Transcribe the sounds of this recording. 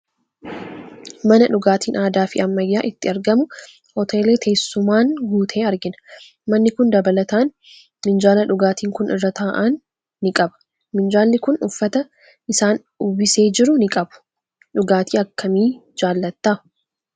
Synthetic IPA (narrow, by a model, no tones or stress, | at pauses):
mɐnɐᶑʊɡaːt̪iːnaːd̪aːfɪɐmːɐjːaːʔɪt̪ːɪɐɾɡɐmʊ | hɔt̪ʰeːle̞ːt̪ʰe̞ːsːʊmaːnɡuːt̪ʰe̞ːɐɾɡɪnɐ̥ | mɐnːɪkʊnd̪ɐbɐlɐt̪aːn | mɪnd͡ʒaːlɐᶑʊɡaːt̪iːŋkʊnʔɪrːɐt̪aːʔaːnː | ɪkʼɐbɐ̥ | mɪnd͡ʒaːlːɪkʊnʊfːɐt̪ɐ | ɪsaːn | ʊbɪse̞ːd͡ʒɪɾʊnɪkʼɐbʊ̥ | ᶑʊɡaːt̪ʰiːɐkːɐmiːd͡ʒaːlːɐt̪ːaː